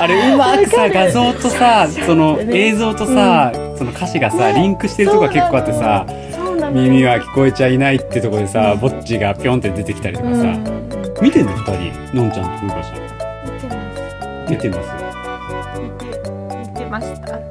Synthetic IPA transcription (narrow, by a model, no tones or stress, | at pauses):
aɾeɯ̟makɯ̟saɡazo̞ːt̪o̞saso̞no̞e̞ːzo̞ːt̪o̞saso̞no̞kʰaɕiɡasaɾʲĩŋkɯ̟ɕi̥t̪e̞ɾɯt̪okoɡake̞kːo̞ːat̪ːesa | mʲimʲiβakʲi̥ko̞e̞t͡ɕainait̪ːeiɯ̟t̪okod̪e̞sabo̞t͡ɕt͡ɕiɡapʲiõnt̪od̪e̞t̪e̞kʲi̥t̪aɾʲit̪okasa̰mʲit̪e̞nːofɯ̥t̪aɾʲḭ | nõ̞ɲ̟t͡ɕãnt̪kɯkaɕo | mʲit̪enːosɨo